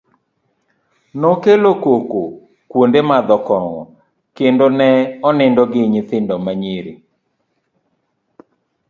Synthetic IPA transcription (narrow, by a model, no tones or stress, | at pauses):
nɔkelokoko | kwondemad̪ɔkɔŋɔ̰ | kendonɛɔnɛndɔɡɪɲɪt̪ɪndɔmaɲeɾḛ